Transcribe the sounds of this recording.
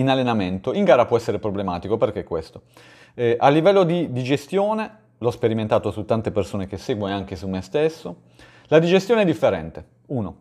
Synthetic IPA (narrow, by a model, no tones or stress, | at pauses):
inalːenament̪oiŋɡaːɾapwɔɛsːeɾepɾoblemaːt̪ikoperk̟ekːwḛst̪o | ɛʔalːivɛlːod̪id̪id͡ʒest̪joːne | lɔspeɾiment̪aːt̪osut̪ːant̪epersoːnek̟eseːɡwonoaŋk̟esumːest̪esːo | lad̪id͡ʒest̪joneɛd̪ifːeɾɛ̰nt̪e | uːno